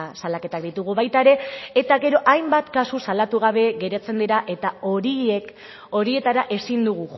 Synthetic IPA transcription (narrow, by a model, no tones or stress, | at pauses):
salake̞t̪akd̪it̪uɣ̞uβajt̪aeɾe̞et̪aɣe̞ɾo̞ʔajmbat̪kasusalat̪uɣ̞aβ̞e̞ɣe̞ɾet͡se̞nd̪eɾaʔe̞t̪ao̞ɾie̞k | o̞ɾie̞t̪aɾaʔe̞sind̪uɣu